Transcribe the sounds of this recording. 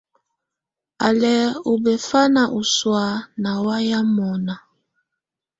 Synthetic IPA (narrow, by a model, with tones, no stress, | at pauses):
a˨lɛ˨u˨bɛ˨fa˦na˨ʔu˨swa˨˦na˨wa˦ja˦mɔ˨na˨